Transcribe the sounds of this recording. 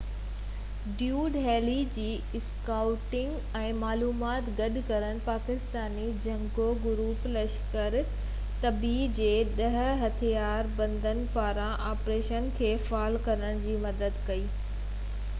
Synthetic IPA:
ɖjuːɖɦɛːlid͡ʑiː | ɪskaːʊʈɪ̃ŋɡ | ɛ̃ːmaːluːmaːt̪ɡɐɗʊ̆kɐɾəɽ̃paːkɪst̪aːnid͡ʑɐ̃ŋɡoɡʊɾuːplɐʃkəɾ | t̪ɐbid͡ʑeːɗɐɦ̆ɦɐt̪ʰijaːɾbɐ̃nd̪ʱənɪ̆paːɾãʔaːpɾeːʃənkʰeːfaːlkɐɾəɽ̃d͡ʑiːmɐd̪əd̪kɐiː

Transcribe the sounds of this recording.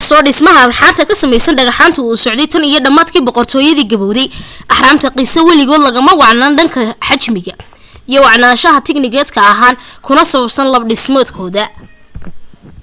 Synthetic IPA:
sɔːɖɪsmɐɦɐnħaːrt̪ʰɐkʰɐsɐmɛjsɐnɖɐɣɐħaːnt̪ʰʊːsɔʕd̪ɛjt̪ʰɐnijɞɖɐmaːd̪kʰiːbɔqɔrt̪ʰɔːjɐðiːɡɐβɔwðɛjʔɑħɾaːmt̪ʰɐqisɐwɛlɪɣɔːd̪lɐɣɐmɐwɑʕnaːnɖɐŋkʰɐħɑt͡ʃmɪɣɐ | ijɔwɑʕnaːʃɐɦɐt̪ʰɪɡnɪkʰɛːd̪kʰɐːɦaːnkʰʊnɐsɐβɐbsɐnlɐbɖɪsmɔːd̪kʰɔːðɐ

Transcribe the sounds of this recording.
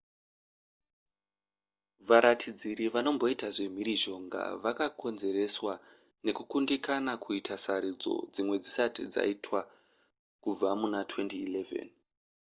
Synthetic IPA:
ʋaɾatʰid͡ziɾiʋano̞mbo̞itaʐe̞m̤iɾiʒo̞ŋɡa̰ʋakako̞nze̞ɾe̞swa | ne̞kukundikanakʰuitʰasaɾud͡zo̞̰d͡zimwe̞d͡zisatid͡za̰itwa | kub͡vamunatwe̞ntiːlevḛn

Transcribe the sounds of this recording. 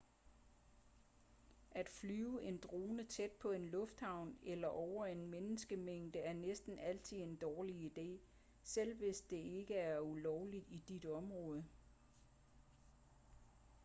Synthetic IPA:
ʔæd̥flyːʊe̝nd̥ʁoːnət͡sʰed̥̚pʰɒ̽e̝nlɔ̽fd̥hɑ̈ʊ̰nelɐʔɒʊ̰ɐe̝nmenəsɡ̥əmeŋ̰d̥əæɐnesd̥n̩æl̰t͡sʰið̰ˠe̝nd̥ɒːliid̥e̝̰ː | sel̰ʋe̝sd̥e̝e̝ɡ̥əæɐulɒʊlid̥id̥id̥ɒ̽mʁɔ̽ːð̞ˠə

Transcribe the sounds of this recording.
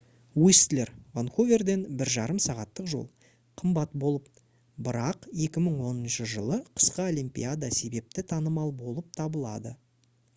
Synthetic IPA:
wist̪le̞rvoŋkʰo̞vʲe̞rd̪e̞nbɪɾʒɑɾəmsɑʁɑt̪ːəqʒo̞̰lˠ | qʰəmbɑt̪bo̞lˠəp̚ | bɪɾɑqje̞kʲɪməɴwo̞nənʃəʒəlˠəqʰə̥sqəolimpʲḭjad̪ɑse̞be̞p̚t̪ɪt̪ʰɑnəmɑlˠbo̞lˠəp̚t̪ʰɑbəlˠɑ̰d̪ə

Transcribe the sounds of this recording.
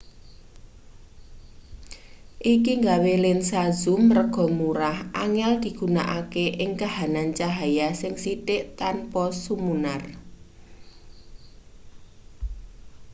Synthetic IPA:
ʔikiŋɡawelɪnsazuməɾəɡ̥ɔ̤muɾahʔaŋɛld̪̥i̤ɡ̥ṳna̰ʔakeʔɪŋkaɦanant͡ʃaɦajasɪŋsit̪ɪʔt̪anpɔsumunar

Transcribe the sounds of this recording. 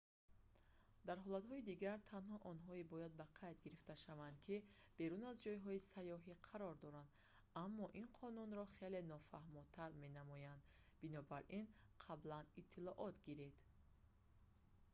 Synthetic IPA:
d̪aɾɦɔlat̪hɔid̪iɡaɾt̪ʰanɦɔʔɔnɦɔibɔjad̪̚baqʰajd̪̚ɡiɾift̪aʃavand̪̚kʰi | b̥e̞ɾunazd͡ʒɔjɦɔisajɔɦiqʰaɾɔɾd̪ɔɾand̪ | amːɔʔinqʰɔnunɾɔχe̞le̞nɔfahmɔt̪ʰaɾme̞namɔjand̪ | binɔbaɾinqʰablanit̪ʰːilɔʔɔt̪ɡiɾed̪̥

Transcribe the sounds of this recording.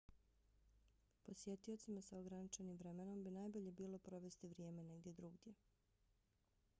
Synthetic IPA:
po̞sje̞t̪io̞t̪simasaoɡɾanit͡ʃe̞nimʋɾe̞meno̞mbinaːjbo̞ʎe̞biːlo̞pɾo̞ʋe̞st̪iʋɾje̞ːme̞ne̞ɡd̪je̞d̪ɾuːɡd̪ʲje̞

